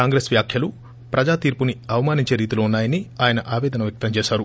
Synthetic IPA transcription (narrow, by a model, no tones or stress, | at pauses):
kaːŋɡɾeːsʋjaːkʰjɐlu | pɾɐd͡ʒaːt̪iːɾpuniɐʋɐmaːniɲt͡ʃe̞ːɾiːt̪iloːunːaːjɐniaːjɐnɐʔaːʋɛːd̪ɐnɐʋjɐk̚t̪ɐmt͡ʃɛːsaːɾu